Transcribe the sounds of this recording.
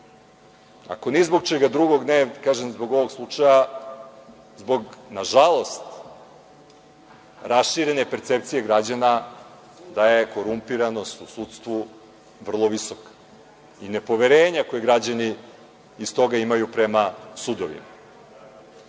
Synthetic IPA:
a̰ko̞nizbo̞ɡ̚t͡ʃeɡad̪ɾuɡo̞ɡnekaʒemzbo̞ɡo̞ʋo̞ɡslˠut͡ʂaja | zbo̞ɡnaʒalˠo̞st̪ | ɾasʃiɾe̞ne̞pe̞ɾt̪se̞p̚t̪sije̞ɡɾad͡ʑana | d̪aje̞ko̞ɾumpiɾano̞st̪usut̪st̪ʋu | ʋr̩lˠo̞ʋisokḁ | ine̞po̞ʋe̞ɾeːɲako̞jeɡɾad͡ʑaniː | st̪o̞ɡaimajupɾe̞masud̪oʋḭma

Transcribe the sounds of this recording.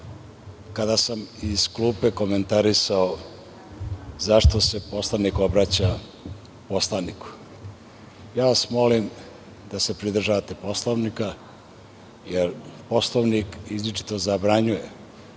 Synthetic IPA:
kad̪asamiz̥klupe̞ko̞me̞nt̪aɾisao | zaʃt̪o̞se̞po̞slˠaniko̞bɾat͡ɕa | po̞slˠaniku̥ | jaːʋasmo̞lim | d̪ase̞pɾid̪r̩ʒaʋat̪epo̞slˠoʋnika | jeɾpo̞slˠoʋnikizlʲit͡ʃi̥t̪o̞zabɾaɲuje̞

